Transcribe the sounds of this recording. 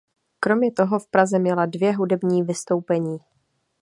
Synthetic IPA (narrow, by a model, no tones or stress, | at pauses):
kɾo̞mɲɛt̪o̞ɦo̞fpɾazɛmjɛladvjɛɦudɛbɲiːvɪst̪o̞wpɛɲiː